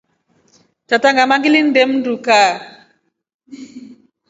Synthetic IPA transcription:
tataŋɡamaŋɡilin̩dɛmnduka

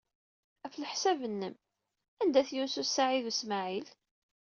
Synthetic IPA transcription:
æfləħsævənːəm | ænd̪æθjunsusaʕiðusmaʕil

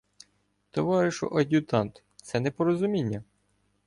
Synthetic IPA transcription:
t̪ɔʋɑɾɪʃɔ̰ʔɐdʲut̪ɑnt̪ | t̪sɛnɛpɔɾɔzʊmʲinʲːɐ

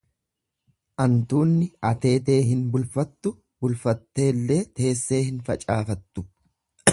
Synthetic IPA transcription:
ʔɐnt̪uːnːɪɐt̪e̞ːt̪e̞ːɦɪnbʊlfɐt̪ːʊ | bʊlfɐt̪ːe̞ːlːe̞ːt̪e̞ːsːe̞ːhɪnfɐt͡ʃʼaːfɐt̪ːʊ

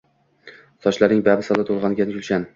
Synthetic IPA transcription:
sɒt͡ʃlaɾnɪŋbabɪsɒlˠɪt̪ʰolˠʁɑnɡʲankʰʊlˠʃan

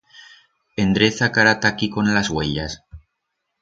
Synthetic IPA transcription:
end̪ɾeθakaɾat̪akiko̞nlazɣweʎas

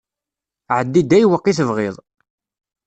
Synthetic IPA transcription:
ʕəd̪ːid̪æjwəqːiθəvʁɪðˤ

